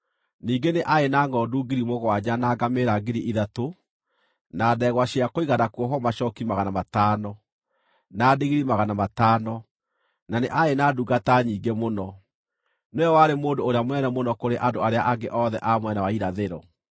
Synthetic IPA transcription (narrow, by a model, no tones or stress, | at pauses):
niːɡeneʔaenaːŋɡɔduɡiɾimoɣwaɲanaɡameɾaɡeɾiʔiðato | naːdɛɣwaɕeakoiɣanakuɔɦɔmaʃɔkimaɣanamataːnɔ | naːdeɣiɾimaɣanamataːnɔ | naneʔaenaːduːɣataɲiːɡemonɔ | neɔwaɾemoːndoːɾeamwɛnɛmonɔkoɾeʔandoaɾeaʔaɡeʔɔðɛ̰ʔamwɛnawaiɾaðeɾɔ̰